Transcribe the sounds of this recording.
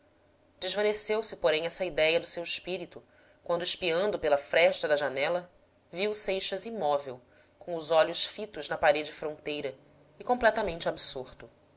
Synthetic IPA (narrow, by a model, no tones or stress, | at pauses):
d͡ʒɪʒvɐnesewsɪpoɾẽj̃ɛsɐid̪ɛjɐd̪ʊsewɪʃpiɾit̪ʊ | kwɐ̃nd̪ɪʃpiɐ̃nd̪ʊpelɐfɾɛʃt̪ɐd̪ɐʒanɛlɐ | viwsejʃɐzimɔvew | kõw̃ʊzɔʎʊʃfit̪ʊʒnɐpaɾed͡ʒɪfɾõnt̪ejɾɐ | ɪkõmplɛt̪ɐmẽnt͡ʃɪabisuɾt̪ʊ